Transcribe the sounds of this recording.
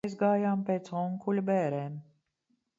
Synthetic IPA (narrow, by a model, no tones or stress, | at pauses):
jzɡaːjaːmpʲeːt̪sɔŋkulʲubɛːɾɛːm